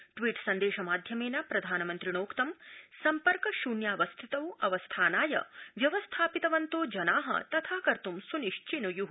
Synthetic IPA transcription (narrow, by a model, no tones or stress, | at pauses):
ʈʋiːʈsɐnd̪eːʃɐmaːd̪ʱjɐmeːnɐpɾɐd̪ʱaːnɐmɐnt̪ɾiɳoːkt̪ɐmsɐmpɐɾkɐʃuːnjaːʋɐst̪ʰit̪ɐwʔɐʋɐst̪ʰaːnaːjɐ̰ʋjɐʋɐst̪ʰaːpit̪ɐʋɐnt̪oːd͡ʒɐnaːɦɐ̰t̪ɐt̪ʰaːkɐɾt̪umsuniʂt͡ʃinujuɦ